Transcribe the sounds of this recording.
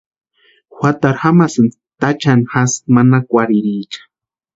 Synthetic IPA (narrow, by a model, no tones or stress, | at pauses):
xʷwʷat̪aɾxamasɨn | t̪at͡ʃanxasmanakʷaɾiɾit͡ʃḁ